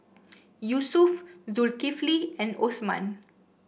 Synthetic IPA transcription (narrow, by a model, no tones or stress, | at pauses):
jusufzulkifliɛ̃nosmã̰n